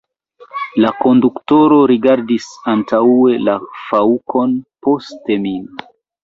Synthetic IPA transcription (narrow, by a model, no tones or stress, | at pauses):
lako̞ndukto̞ɾo̞ɾiɡaɾdisantaue̞lafaukʰo̞npo̞ste̞min